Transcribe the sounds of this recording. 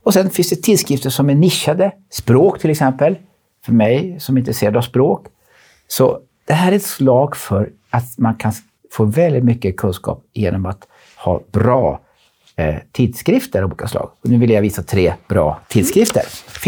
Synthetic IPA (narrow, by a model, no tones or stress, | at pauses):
ɔsɛnfɪnsd̪ɛt̪ʰɪld̪skɾɪft̪əʂɔmæɳɪʃːad̪ə | spɾoːkt̪ʰɪlɛksɛmpəl | fœɾmɛjsɔmɪnt̪ɾəseːɾad̪aspɾoːk | sɔ | d̪̥ɛɦæːɾæɾɛt̪slɑːɡfœɾ | at̪mankʰan | foːvɛld̪ɪt̪mʏkːəkʰɵnskɑ̰ːpjḛːnɔmat̪ | hɑ̰ːbɾɑː | t̪ʰiːd̪skɾɪft̪əɾuːlɪkaslɑ̰ːɡɔnʉ̟ːvɪljaviːsat̪ʰɾeːb̥ɾɑ̰ːt̪ʰɪd̪skɾɪft̪ə̰ɾ